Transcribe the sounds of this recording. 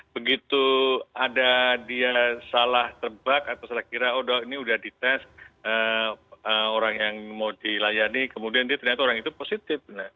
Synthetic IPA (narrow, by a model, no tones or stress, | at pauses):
b̥əɡit̪uadadiasalaht̪ərbakat̪awsalahkiɾaodainiudahdit̪ɛsə | əoɾaŋjaŋmawdilajanikəmudiandiat̪ərɲat̪aoɾaŋit̪uposit̪ɪfna